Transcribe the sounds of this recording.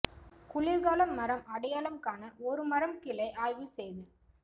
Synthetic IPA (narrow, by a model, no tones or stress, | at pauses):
kʊɭɪɾɣaːlɐmːɐɾɐmɐɽɐjaːlɐmkaːnɐɔɾɯmɐɾɐmkɪlɐɪʔaːjʋɯsɛjðɯ